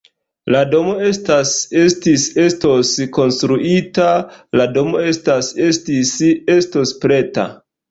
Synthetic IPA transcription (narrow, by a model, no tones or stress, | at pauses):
lado̞mo̞e̞stase̞stise̞sto̞sko̞nstɾuʔitalado̞mo̞e̞stase̞stise̞sto̞spɾe̞ta̰